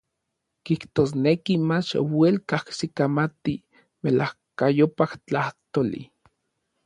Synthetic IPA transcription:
kiht̪oːs̬nekimat͡ʃwelkahsikamat̪i | melahkajopaht͡ɬaht̪olḭ

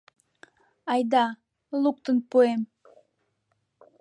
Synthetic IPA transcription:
ɑjd̪ɑ | lˠuk̚t̪ənpuem

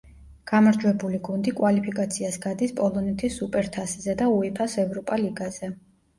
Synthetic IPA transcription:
ɡ̥amaɾd͡ʒwɛbuliɡund̪ikʼwalipʰikʼat̪sʰiasɡad̪ispʼɔlˠɔnɛt̪ʰisupʼɛɾt̪ʰaszɛd̪auipʰasɛvɾɔpʼaliɡaz̥ɛ

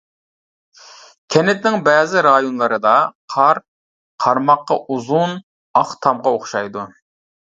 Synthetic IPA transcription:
kʲʰɛnɪt̪nɪŋbɛːzɪɾɑjonlˠɨɾɨd̪ɑqʰɑɾ | qʰɑɾmɑqːɑ̰ʔuzun | ɑχt̪ʰɑmʁɑoχʃɑjd̪u

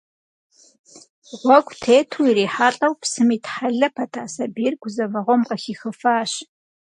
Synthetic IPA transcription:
ʁʷɔɡʷʼtʰeːtʰuiɾeːħaːɬʼɐwpsɨmiːtħaɮɐpʰɐtʰaːsɐbiːrɡʷʊzɐvɐʁʷɔmqɐxiːxɨfaːɕ

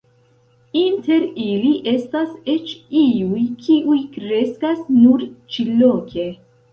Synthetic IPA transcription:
inte̞ɾiliʔe̞stase̞t͡ʃiujkʰiʔujkɾe̞skasnuɾt͡ʃilokʰe̞

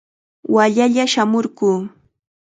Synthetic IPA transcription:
waʎaʎaʃamoɾɢuː

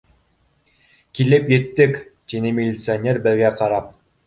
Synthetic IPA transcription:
kilɘpjɘ̆t̪ːɘkt̪ʲinɘmʲɪlʲɪt̪sɨonʲerbɘ̆lɡæqɑɾɑp̚

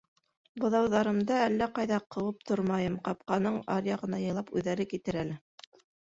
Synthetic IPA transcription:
bɤ̆ðɑwðɑɾɤ̆md̪ɑælːæqɑjðɑqʰɤ̆wɤp̚t̪oɾmɑjɤmqɑp̚qɑnɤɴɑɾjɑʁɤ̆nɑjɤ̆jlˠɑpʉðːæɾɘkit̪ɘɾælɘ

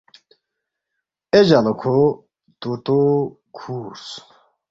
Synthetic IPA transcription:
ed͡ʑanokʰo | t̪ut̪o | kʰuːɾs

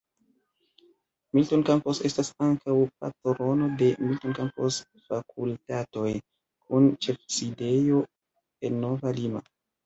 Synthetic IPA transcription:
miltonkampo̞se̞stasaŋkʰawpa̰toɾo̞no̞de̞miltonkampo̞s | fakʰultato̞j | kʰunt͡ʃe̞fside̞jo̞ | e̞nːo̞valima̰

